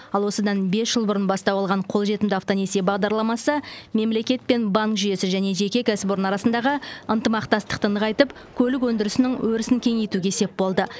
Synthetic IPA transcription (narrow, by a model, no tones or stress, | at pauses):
ɑlˠwo̞səd̪ɑnbe̞sʒ̥əlˠbʊɾənbɑst̪ɑwɑlˠʁɑɴqʰo̞lˠʒe̞t̪ɪmd̪ɪɑft̪o̞nesebɑʁd̪ɑɾlˠɑmɑsəme̞mle̞kʲe̞t̪̚pe̞nbɑŋkʒʏje̞sɪʒæne̞ʒe̞kʲe̞kʲæsboɾənɑɾɑsənd̪ɑʁəənt̪əmɑqt̪ɑst̪əqt̪ənəʁɑjt̪əp | kʲʰɵlɪk̬wɵnd̪ɪɾɪsɪnɪŋwɵɾɪsɪŋkʲʰe̞ŋe̞jt̪uɡʲe̞se̞p̚bo̞lˠd̪ə